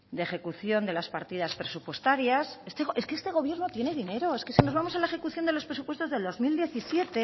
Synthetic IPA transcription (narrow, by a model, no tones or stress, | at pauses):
d̪exe̞kuθjo̞nd̪e̞laspaɾt̪iðaspɾe̞supwe̞st̪aɾjasest̪eɣoeskeest̪e̞ɣ̞o̞β̞je̞ɾno̞t̪je̞ne̞ðine̞ɾo̞eskesinozβamo̞salaexe̞kuθjo̞nd̪e̞lospɾe̞s̬upwe̞st̪ozðeld̪o̞zmild̪je̞θisje̞t̪e̞